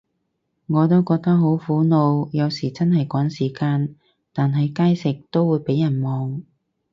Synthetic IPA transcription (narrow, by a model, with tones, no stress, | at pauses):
ŋɔː˨˧t̪o˥wkɔː˧k̚t̪ɐ˥k̚ɦo˨˥wfuː˨˥no˨˧wjɐ˨˧wsiː˨˩t͡sɐ˥nhɐ˨jkɔː˨˥ŋsiː˨˩kaː˧n | t̪aː˨nɦɐ˨jkaː˥jsɪ˨k̚t̪o˥wuː˨˧jpe˨˥jːɐ˨˩nmɔː˨ŋ